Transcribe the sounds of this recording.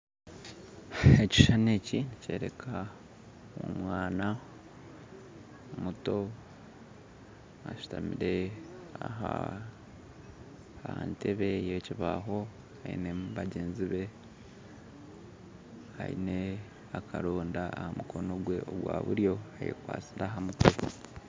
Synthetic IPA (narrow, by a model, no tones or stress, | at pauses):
eci̥ʃanecinice̞ːɾe̞kʰa | umwaːna | omuto̞ | aʃu̥tamiɾe̞aɦa̰ | aanteβe̞jociβaɦo̞ | haḭne̞mβaɟe̞ːnziβe̞ | ha̰ḭne̞ | akʰaɾoːndaahamukʰo̞no̞ɡwe̞ʔoɡwa̰ːβṵɾjo̞ajḛkwa̰ːt͡siɾaɦamuto